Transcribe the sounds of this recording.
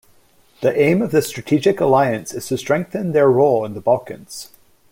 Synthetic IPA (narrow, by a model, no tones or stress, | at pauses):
ðiʔẽɪ̃mʌvðɨstɹ̥ətʰid͡ʒɪkəlˠaɪɨ̃nsɨz̥tʰɨstɹ̥ɛ̃ŋk̚θə̃nðə˞ɹolˠɪ̃nðəbʌlˠkɨ̰̃nz̥